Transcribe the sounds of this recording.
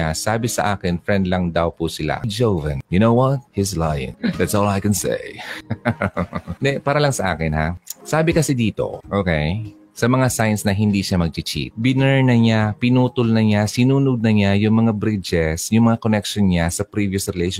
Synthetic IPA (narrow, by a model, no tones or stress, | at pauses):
asaːbɪsɐ̰ʔaːkɪnfɹɛnd̪lɐŋd̪ɐwpusɪla̰d͡ʒowvɐ̰̃njʊnowwɔt̪̚hizlajɪ̰̃nd̪æt̪solˠajkɛnsḛj | d̪ɛpaːɾɐlɐŋsɐʔa̰ːkɪnha̰saːbɪkɐsɛd̪iːt̪o̞̰ʔoːkej | sɐmɐŋasajnsnɐɦɪnd̪iʃamɐɡ̚t͡ʃɪt͡ʃḭt̪̚bɪnɛɹnɐɲapɪnuːt̪ʊlnɐɲasɪnuːnʊd̪̚nɐɲajʊŋmɐŋabɾid͡ʒɛsjʊŋmɐŋakonɛkʃonɲasɐpɾiːvjʊsɹɛlejʃ